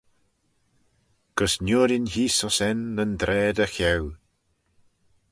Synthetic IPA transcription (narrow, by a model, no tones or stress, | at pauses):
ɡ̥əsnʲuːɾɪnhiːsɔsɛnːənd̪ɾɛːd̪əxɛw